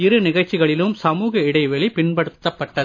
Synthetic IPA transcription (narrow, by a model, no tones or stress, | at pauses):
ɪɾɯnɪɣɐɻt͡ʃːɪɣɐɭɪlɯmsɐmuːɣɐɪɽɐɪʋɛɭipɪnpɐɽɯt̪ːɐpːɐʈːɐ